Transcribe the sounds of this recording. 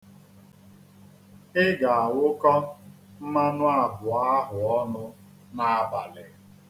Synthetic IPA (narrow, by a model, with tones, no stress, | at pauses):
ɪ˦ɡa˨a˨wʊ˦kɔ˦ | m̩˦ma˦nʊ˦a˨bʊ˨a˦ɦʊ˨ɔ˦nʊ˦ | na˨a˨ba˨lɪ˨